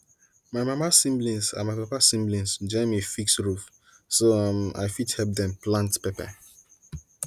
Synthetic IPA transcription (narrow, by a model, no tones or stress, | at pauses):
maɪmamasĩmblĩnsa̰maɪpapasĩmblĩnsd͡ʒɛ̃mifiksɹuf | soãma̰ɪfidhɛlp̚d̪ɛ̃mplãntpɛpɛ̰